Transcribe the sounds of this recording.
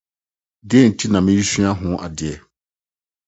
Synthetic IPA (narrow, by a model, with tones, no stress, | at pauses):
dɪ˦ɛ˦˨n̩˨tʰi˦nã˨mɪ̃˦ji˦sɥa˦ɦʊ̃˦ʔa˨dɪ˨ɛ˨